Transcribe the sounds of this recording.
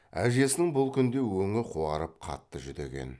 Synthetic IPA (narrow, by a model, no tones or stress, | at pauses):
æ̰ʒe̞sɪnɪŋbʊlˠkʲʰʏnd̪e̞wɵŋɪqʰuɑɾəp̚qʰɑ̰t̪ːəʒʏd̪e̞̰ɡʲe̞̰n